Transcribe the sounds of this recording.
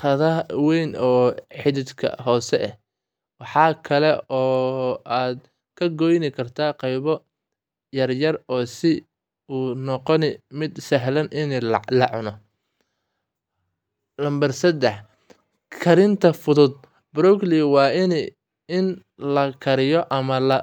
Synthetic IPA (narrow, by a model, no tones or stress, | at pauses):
qɐðɐwɛjnɔːħɪðɪd̪kʰɐ̰ɦɔːsɛʔɛh | wɑħɑːkʰɐlɛɔːaːd̪̚ | kʰɐɡɔjnɪkʰɐrt̪ʰaːqɑjβɔ | jɐrjɐrɔːsɪ | uːnɔqɔnɪmɪd̪sɐɦlɐnʔɪnɛlɐʕʊnɔ | lɐmbɐrsɐd̪ɛħ | kʰɐɾɪnt̪ʰɐfʊðʊd̪̚ | bɾɔkliwɑːɪnɛ | ɪn | lɐkʰɐɾɪjɔʔɐmɐlɐ